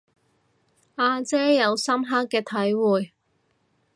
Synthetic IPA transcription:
aː˧t͡sɛː˥jɐ˨˧wsɐ˥mɦa˥kːɛː˧t̪ʰɐ˨˥jwuː˨˩j

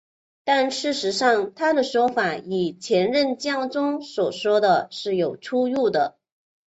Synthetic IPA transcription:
t̪a˥˧nʂɻ̩˥˩ʂɻ̩˧˥ʂɑ˥˧ŋt̪ʰa˥d̪ə˨ʂwɔ˥fa˨˩i˨˩t͡ɕʰjɛ˧˥nɻə˥˧nt͡ɕjɑ˥˧˩ŋt͡sʊ˥ŋswɔ˨˩ʂwɔ˥d̪ə˨ʂɻ̩˥˩jo˨˩ʊʈ͡ʂʰu˥u˥˩d̪ə˩

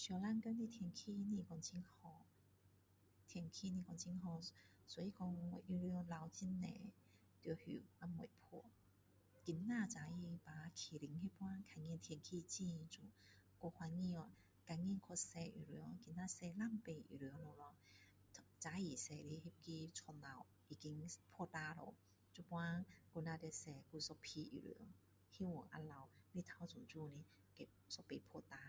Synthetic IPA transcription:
sjɔ˧˩la˧˥nkœ˥˧˥ni˧t̪ʰɛ˧ŋkʰi˧nĩ˧˨kɔ˧ŋt͡ɕʰi˧˥ŋhɔ˧ | t̪ʰjŋkʰi˧nĩ˧kɔ˧ŋt͡ɕʰi˧ŋɦɔ˧ | sɔ˧˦ji˧kɔ˧ŋ˧˨ʔy˧ɾy˧ɔ˧la˧wt͡ɕi˧˥nːɛ̰˨ | t̪jɔ˧˩hy̰˨˩a˧mɔ̰˨jpʰu˧˩˨ | ki˨˧˩nːa˥˧˨t͡sa˨˧˦i˧pa˨˦˧kʰi˨˩li˨˦ŋhi˧˥pwa˧˥kʰa˧˩ŋi˧˨t̪ʰji˧˨ŋkʰi˧t͡ɕi˧t͡su˧˨˦ | kɔ˧hwa˧nŋi˧ɔ˧ | ka˧ŋi˧˥˨nkʰɔ˧sɛ˧ʔḭ˨ɾɯ˨˦ə˦ki˧nːa˧sɛ˧la˥˨mpe˧˨ʔḭ˨˩ɾɨ˨ə˦ŋlo˧˩lɔ˧ | tʰt͡sa˨˦i˨˩˨sɛ˨˩li˧˦hi˧p̚ki˧t͡sʰɔ˧nla˧˩w | i˨˩ki˧˦ŋpʰɔ˧t̪a˧lo̰˨w | t͡su˧pwa˦˧ku˧na˧de˧sɛ˧˩ku˧˨sɔ˧pʰi˧ḭ˨˩ɾɯ̰˧˨ə˦ŋ | hi˧˦wo˨ʔa̰˧la˧˩wli˧t̪ʰa˧˨t͡su˨ŋt͡ɕu˧nĩ˧˦ | ke˨˧˩ | sɔ˧pe˧˨pʰɔ˧˨t̪a˧˦

